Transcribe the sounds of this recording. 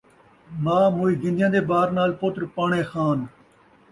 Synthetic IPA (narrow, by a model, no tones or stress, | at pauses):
mãːmoːiːɡɪ̃nd̪jãːd̪eːbaːɾnaːlpot̪ɾpaːɳẽːxaːn